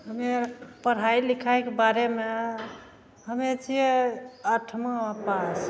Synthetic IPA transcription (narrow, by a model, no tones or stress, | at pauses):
ɦəmepəɽ̤ajlikʰajkebaɾeme | ɦəmet͡ʃʰijeəʈʰmə̃apas